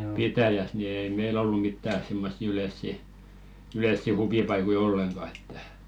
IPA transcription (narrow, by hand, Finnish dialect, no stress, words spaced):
pitæjæs ni ei meil olːu mitːæ simːɑ̝sːi ylesːi yleˑsːi huʋipɑikoi olːeŋɡ̊ɑ etːæ